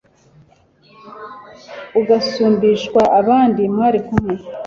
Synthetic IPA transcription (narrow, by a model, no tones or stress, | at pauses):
uɡasuːmbiʃkwaʔaβaːndimaɾikume